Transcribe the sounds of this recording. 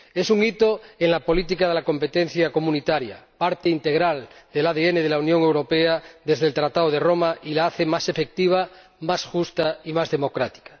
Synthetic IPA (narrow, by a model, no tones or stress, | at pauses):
e̞suŋit̪oeŋlapo̞lit̪̬ikaðelako̞mpet̪en̟θjako̞mũnit̪aɾja̰paɾt̪eint̪e̞ɣɾald̪elaðeeneð̞elaunjoŋe̞wɾo̞peaðe̞zðelt̪ɾat̪aoðeromaʔilaaθemase̞fe̞k̚t̪iβ̞a | masxust̪aimazðe̞mo̞kɾat̪i̥kḁ